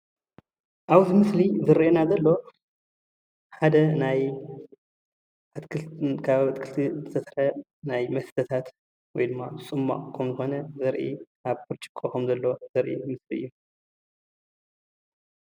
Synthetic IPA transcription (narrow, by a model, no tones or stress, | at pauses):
ʔaβt̪mɨslizɨɾiʔenazɐlːo̞ | ħad̪ɐnaj | t̪kkʰaβt̪kʰɨlt̪ʰizɨt̪ʰɐsɾɐ | najmɐsd̪ʰɐt̪ʰat̪ | wɔjd̪ɨmːabɨsʼɨmːa̰kʰɐmzɨxo̞nɐzɐɾʔḭʔaβpʰuɾt͡ʃʰʼi̥kʰʼːokʰɐmzɐlːo̞zɐɾʔimɨsliɨ̰jːu